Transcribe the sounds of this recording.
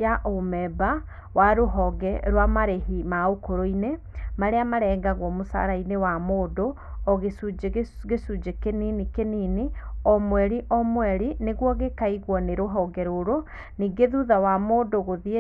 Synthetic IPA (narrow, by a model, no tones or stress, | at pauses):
jaʔomɛba | waɾoɦɔɡɛɾwamaɾehimaokoɾoine | maɾeamaɾɛːŋɡaɣwɔmosa̰ɾainewamoːdo | ɔɣesud͡ʒɣesud͡ʒekeninikeniniɔmwɛɾiʔɔmwɛɾineɣwɔɣekaiɣwɔneɾoɦɔɡɛɾoɾo | niːɡeðuðawamoːdoɣoðie